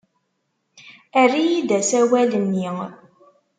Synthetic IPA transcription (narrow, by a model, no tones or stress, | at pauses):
ærijid̪æsæwælənːi